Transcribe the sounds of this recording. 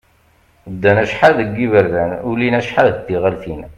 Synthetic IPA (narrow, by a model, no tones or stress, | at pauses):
d̪ːænæʃħaðəɡːivəɾðænulinæʃħaðət̪ːiʁəlθin